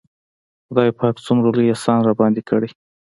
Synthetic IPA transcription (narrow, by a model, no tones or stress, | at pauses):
xd̪ɑjpɑkt͡sumɾoləjasɑnɾɑbɑnd̪ikʰəɽi